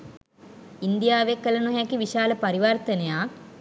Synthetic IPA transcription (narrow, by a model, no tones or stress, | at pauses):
ind̪ijaːʋekːələnuɦɛkiʋiʃaːləpaɾiʋart̪ənejaː